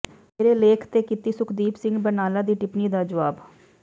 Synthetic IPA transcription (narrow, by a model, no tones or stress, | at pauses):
meːɾeːleːkʰt̪eːkit̪iːsʊkʰd̪iːpsɪ̃ŋɡbənaːlaːd̪iːʈɪpniːd̪aːd͡ʒəʋaːb